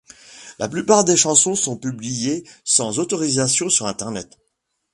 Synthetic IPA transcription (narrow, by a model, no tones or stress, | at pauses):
lʔa̰plypaʁd̪eʃɑ̃sɔ̃sɔ̃pyblijesɑ̃zot̪ɔʁizasjɔ̃syʁɛ̃t̪ɛʁnɛt̪